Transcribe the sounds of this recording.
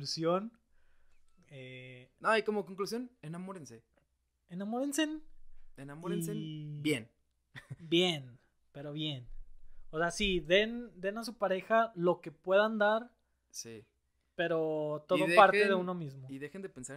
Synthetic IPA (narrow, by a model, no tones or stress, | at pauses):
lusjo̞n | enoajkomokoŋklusjo̞nenamoɾense | enamoɾensenenamoɾensenbjen | bjen | pe̞ɾo̞βje̞noseasiðe̞nd̪e̞nas̬upaɾe̞xalo̞ke̞pwe̞ðand̪aɾ | si | pe̞ɾo̞t̪o̞ðoðepaɾt̪eðeuno̞mizmoiðe̞xend̪epensa